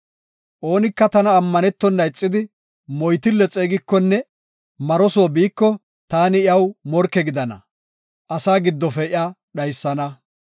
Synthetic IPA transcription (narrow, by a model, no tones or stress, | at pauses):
ʔo̞ːnɪkːɐt̪ɐnɐːmːɐnɛt̪ːɔnːɐɪt͡sʼːɪd̪ɪ | mɔjt̪ɪlːɛt͡sʼeːɡɪkːɔnːɛ | mɐɾɔsoːbiːkːɔ | t̪aːnɪɪɐwmɔɾkːɛɡɪd̪ɐnɐ̰ | ʔɐsaːɡɪd̪ːɔfɛɪa | ɗɐjsːɐnɐ